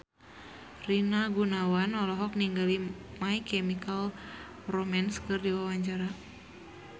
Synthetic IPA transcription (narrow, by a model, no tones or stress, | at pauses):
rinaɡunawanɔlɔɦɔk̚niŋɡalimaikɛmikal | romanskɨrdiwawaɲt͡ʃaɾa